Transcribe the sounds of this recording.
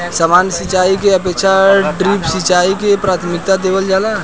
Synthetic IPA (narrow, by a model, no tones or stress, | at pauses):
səmaːnsit͡ʃaːikeəpeːkʃaɖɾiːpsit͡ʃaːikepɾaːt̪ʰmɪk̚t̪ad̪eːʋəld͡ʒaːla